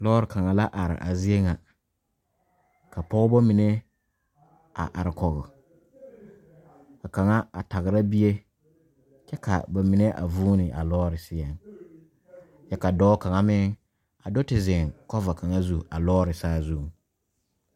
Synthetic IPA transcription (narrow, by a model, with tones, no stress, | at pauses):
lɔː˦ɾɪ˨kʰa˨ŋa˨la˦ʔa˨ɾɪ̰˨ʔa̰˨zɪ˦e˦ŋa˨ | kʰa˨pɔ˦bɔ˦mi˨ne˦ | a̰˨ʔa̰˨ɾɪ˨kɔ˨ɣʊ˨ | ka˨ka˨ŋa˦a̰˨ta˨ɣɪ˨ɾa˦bi˦e˦ | t͡ʃɛ˦kʰa̰˨ba˨mi˨ne˦ʔa̰˨vuː˦nɪ˨ʔa˨lɔː˦ɾɪ˨sɪ˦ɛ˨ŋ | jɛ˦ka˨dɔː˦ka˨ŋa˦mɪ˦ŋ | a˨dɔ˦tɪ˨zɪ˨ŋkɔ˦va˨kʰa˨ŋa˦zu˦a˨lɔː˦ɾɪ˨saː˦zu˦˨ŋ